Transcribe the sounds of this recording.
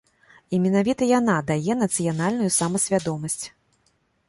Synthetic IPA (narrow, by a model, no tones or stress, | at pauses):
imʲɛnavʲit̪ɐjan̪ad̪ajɛn̪ɐt̪sɨjanalʲnʊjusɐmɐsʲvʲad̪ɔmɐsʲt͡sʲ